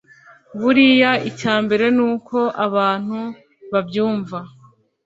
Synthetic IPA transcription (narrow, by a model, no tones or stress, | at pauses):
βuɾijaicaːmbe̞ɾe̞nuːko̞ʔaβaːn̥hu | βabjuːɱva